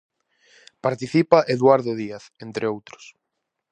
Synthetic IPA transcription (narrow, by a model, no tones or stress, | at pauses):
paɾt̪iθipaʔeðwaɾðoðiaθent̪ɾɪowt̪ɾo̥s